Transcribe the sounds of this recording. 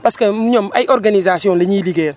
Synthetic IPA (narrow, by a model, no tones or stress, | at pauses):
paskemuɲomajʔoɾɡanizasiõnleɲiliɡɛːɾ